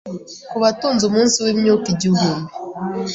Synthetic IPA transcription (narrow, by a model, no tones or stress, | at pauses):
kuβatuːnzumuːnsiwemjukiɟuɡume